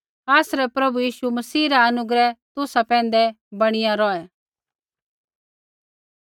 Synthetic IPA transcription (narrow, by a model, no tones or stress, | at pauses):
aːsɾɛpɾɐbujiːʃumɐsiːɾaɐnʊɡɾɛt̪ʊsapɛ̃ːn̆d̪ɛ | bɐɽ̃ɪjãɾɔɛ